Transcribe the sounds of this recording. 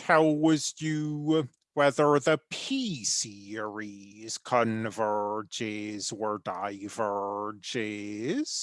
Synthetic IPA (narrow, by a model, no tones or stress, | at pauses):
haʊwʌzjɨ | wɛðə˞ðəpʰisi˞iz̥kʰə̃nvɜ˞d͡ʒɪzwə˞daɪvə˞d͡ʒɪz̥